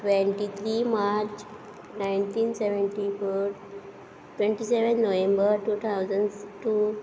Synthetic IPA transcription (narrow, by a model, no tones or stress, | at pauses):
ʈʋẽɳʈit̪ʰɾimaɾt͡ɕ | najnt̪ʰiːnseʋə̃ɳʈifʰə | ʈʋẽɳʈiseʋənːoʋẽmbəɾʈuːt̪ʰawzənɖʈu